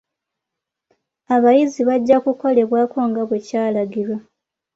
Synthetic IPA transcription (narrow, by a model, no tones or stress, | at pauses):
aβajiziβaɟːakuko̞le̞βwaːko̞ŋɡaβwecaːlaɡiɾwa